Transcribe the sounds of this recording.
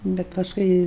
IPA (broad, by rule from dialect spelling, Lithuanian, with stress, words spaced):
ˈbʲɛt pɐsˈkʊɪ